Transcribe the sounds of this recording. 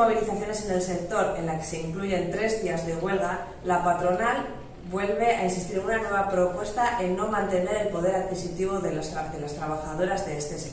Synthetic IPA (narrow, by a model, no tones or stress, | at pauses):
o̞β̞iliθaθjo̞ne̞se̞ne̞lse̞k̚t̪o̞ɾe̞nlake̥se̞iŋkluʝe̞nt̪ɾe̞zðiazðe̞ɣwe̞lɣa | lapat̪ɾo̞nal | bwe̞lβe̞ainsist̪iɾenunanwe̞β̞apɾo̞pwe̞st̪aʔe̞nːo̞mãnt̪e̞ne̞ɾe̞lpo̞ð̞e̞ɾaðkisit̪iβ̞o̞ðe̞lasɾad̪e̞last̪ɾaβaxaðo̞ɾazðeest̪e̞se